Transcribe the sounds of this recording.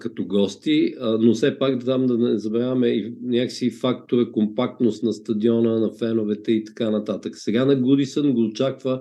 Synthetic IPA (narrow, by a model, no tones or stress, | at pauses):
kɐt̪oɡɔst̪iənosɛpakd̪t̪amd̪ɐnɛzɐbɛɾavmɛinʲakəksifak̚t̪oɾəkompak̚t̪nost̪nɐst̪ɐd̪iɔnənɐfɛnovɛt̪ɛit̪ɐ̥kanɐt̪at̪əksɛɡanɐɡud̪isənɡod̪ot͡ʃakvə